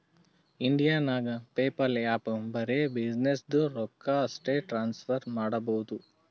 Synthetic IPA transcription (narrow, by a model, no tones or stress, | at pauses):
iɳɖijaːnaːɡɐpeːpɐlaːpɐmbɐɾebid͡ʒnesd̪uɾɔkːɐːsʈeʈɾaːnspʰɐɾmaːɽɐbɐɦud̪u